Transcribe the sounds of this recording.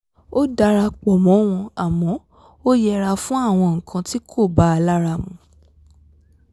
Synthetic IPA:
o˦da˧ɾa˧k͡pɔ˨mɔ̃˨˦w̃ɔ̃˧a˨mɔ̃˨˦ | o˦jɛ˧ɾa˧fũ˦a˦˨w̃ɔ̃˧ŋ̩˨kʰã˧ti˦kʰo˦˨ba˨˦a˧la˦ɾa˧˨mũ˨

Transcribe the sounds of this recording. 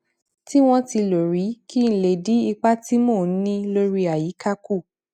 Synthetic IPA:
ti˦w̃ɔ̃˦ti˧lo˨ɾi˨˦ki˦n̩˨˧le˨di˨˦i˧k͡pa˦ti˦mõ˦˨n̩˦nĩ˦lo˧˦ɾi˧a˨ji˨˦ka˦ku˦˨

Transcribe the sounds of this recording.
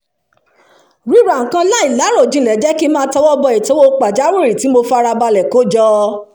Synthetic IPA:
ɾi˨˦ɾa˨ŋ̩˨kã˧la˦i˨la˨˦ɾo˦˨d͡ʒĩ˧˦lɛ˨d͡ʒɛ˦ki˦mãː˦tɔ˧˦wɔ˦bɔ˧e˨to˦wo˦k͡pa˨d͡ʒa˨˦we˦˨ɾi˨ti˨˦mo˧fa˦˧ɾa˧ba˧lɛ˨ko˨˦d͡ʒɔ˧

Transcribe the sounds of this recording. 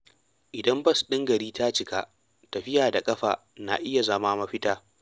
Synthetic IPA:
ʔɪ˨dɐ˦mbɐ˦˨su̥˨ɗɪ˦ŋɡɐ˨ɾiː˦ta˦t͡ʃɪ˨ka˦ | tɐ˨ɸɪ˦jaː˨da˨kʼɐ˦ɸa̰ː˨ | na̰˨ʔɪ˦ja˨zɐ˦maː˦mɐ˦ɸɪ˦taː˦

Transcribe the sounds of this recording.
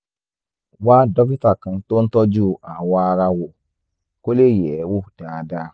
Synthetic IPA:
waː˦dɔ˦ki˦ta˨kɨ̃˨n˦to˦n˦tɔ˦d͡ʒu˦˨a˨waː˦ɾa˦wo˨ | ko˦le˦jɛː˨˦wu˦d̥aː˨˦daː˦

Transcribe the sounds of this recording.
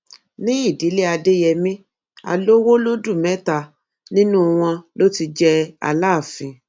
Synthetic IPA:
nĩ˦i˦˨di˨˦le˦a˧de˦jɛ˧mĩ˦ | a̰˧lo˦wo˦lo˦du˦˨mɛ̃˨˦ta˧ | nĩ˦nũ˦w̃ɔ̃˧lo˦ti˧d͡ʒɛ˦a̰˧laː˦˨fĩ˧

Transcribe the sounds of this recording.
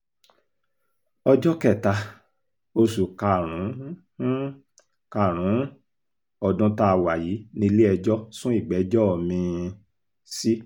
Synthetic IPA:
ɔ˧d͡ʒɔ˦kɛ˦˨ta˧ | o˧su˨ka˨ɾ̃ũ˨˦ | ka˨ɾ̃ũ˨˦ | ɔ˨dũ˧ta˧wa˨ji˨˦nĩ˧li˦ɛ˧d͡ʒɔ˦sũ˦i˦˨ɡ͡bɛ˨˦d͡ʒɔ˦ɔ˨mĩ˧ | si˦

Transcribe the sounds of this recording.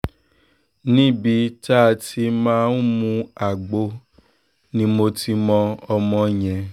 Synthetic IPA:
nĩ˦bi˧ta˦˨ti˧mãː˦n̩˦mũ˧a˨ɡ͡bo˧ | nĩ˧mo˧ti˧mɔ̃˧ɔ˧mɔ̃˧jɛ̃˨

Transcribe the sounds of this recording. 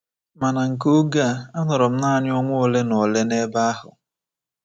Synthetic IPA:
ma˨na˨ŋ̩˨k̬o˦ɡa˦˨a˦nɔ˨ɾɔ˨m̩˦na˦a˨ɲ˦ɔ˦ŋʷʊ˦ɔ˦le˦nɔ˨le˦ne˦ba˦a˦ɦʊ̰˨

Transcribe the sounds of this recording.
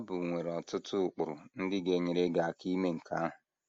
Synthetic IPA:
a˦bʊ˨ŋʷe˨ɾɔ˨tʊ˦tʰʊ˦˨k͡pʊ˨ɾʊ˨n̩˦dɪ˦ɡe˨ɲɪ˨ɾe˦ɡa˨a˨ki˦me˦ŋ̩˨ka˦a˦ɦʊ˨

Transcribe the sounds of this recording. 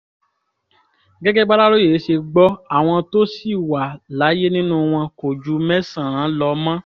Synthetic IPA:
ɡɛ˦ɡɛ˦ɡ͡ba˦ɾa˦ɾo˦je˨˦ʃe˧ɡ͡bɔ˦a˨w̃ɔ̃˧to˦si˦˨wa˨la˨˦je˦nĩ˦nũ˦w̃ɔ̃˧ko˨d͡ʒu˨˦mɛ˦sã˦˨ã˨˦lɔ˧mã˦

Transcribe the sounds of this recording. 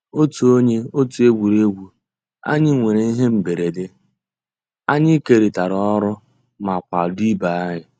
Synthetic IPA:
o˦tu˨o˦ɲe˦o˦tu˨e˦ɡʷu˨ɾe˦ɡʷu˨ | a̰˦ɲɪ˦ŋʷe˨ɾe˨˦i˦ɦe˦m̩˨be˨ɾe˨de˦ | a˦ɲɪ˦ke˨ɾi˨ta˨ɾɔ˨ɔ˦ɾʊ˦ | ma˨kʷa̰˨di˦ba˨a˦ɦɪ˨

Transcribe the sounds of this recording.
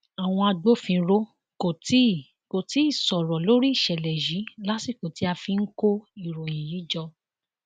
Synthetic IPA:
a˨w̃ɔ̃˧a˧do˦fĩ˧ɾo˦ | ko˨ti˦˨ | ko˨ti˨˦i˦˨sɔ˨ɾɔ˨lo˨˦ɾi˦i˦˨ʃɛ˨lɛ˨ji˨˦la˦si˦˨ko˨ti˦a˧fi˧n̩˦ko˦i˦˨ɾo˨j̃ĩ˨ji˨˦d͡ʒɔ˧

